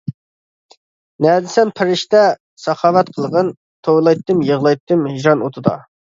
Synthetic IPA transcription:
nɛd̪ɪsɛmpʰɪɾɪʃt̪ɛ | sɑχɑːvɛt̪qʰəlˠʁən | t̪ʰowlˠɑjt̪ːɨmjəʁlˠɑjt̪ːɨmhiʒɑnot̪ʰɨd̪ɑ̰

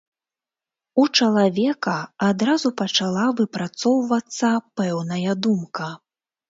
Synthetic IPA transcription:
ut͡ʂɐlˠavʲɛkɐad̪ɾazupɐt͡ʂalˠavɨpɾat̪sɔwvɐt̪sːɐpɛwnɐjɐd̪umkɐ

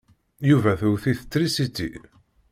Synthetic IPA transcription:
juvæθuwθiθə̥t͡s̪ːɾisit̪ːḭ

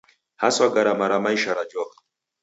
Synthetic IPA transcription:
haswaɡaɾamaɾamaiʃaɾad͡ʒɔkḁ

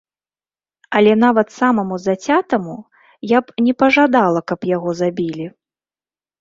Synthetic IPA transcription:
ɐlʲɛnavɐt̪samɐmuzat͡sʲat̪ɐmu | japnʲɛpɐʐad̪alˠɐkɐpjaɣɔzabʲilʲi

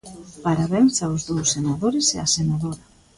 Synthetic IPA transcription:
paɾaβensaozðowsːenaðoɾeseasenaðoɾa

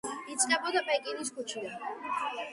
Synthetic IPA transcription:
it̪sʼnɛbɔd̪apʼɛkʼinis̬kʰut͡ʃʰila

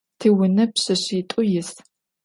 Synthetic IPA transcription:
tʰiwʊnɐpɕɐɕitʼʊjɪs

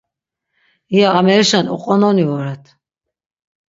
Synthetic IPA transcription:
ijaːmɛɾiʃanṵqʼɔnɔnivɔɾɛt̪ʰ

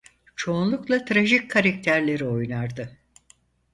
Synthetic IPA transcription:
t͡ʃʰo̞ːnlˠuklˠat̪ʰɾaʒickʰːaɾakt̪ʰæɾlʲe̞ɾio̞jnaɾd̪ɯ

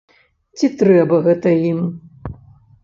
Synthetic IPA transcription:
t͡sʲit̪ɾɛbɐɣɛt̪ɐjim

